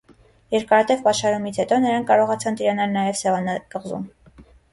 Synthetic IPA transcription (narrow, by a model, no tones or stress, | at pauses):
jɛɾkɑɾɑt̪ɛvpɑʃɑɾumit͡sʰhɛt̪ɔnəɾɑŋkʰkːɑɾɔʁɑt͡sʰɑnt̪iɾɑnɑlnɑjɛvsɛvɑnɑkəʁzṵm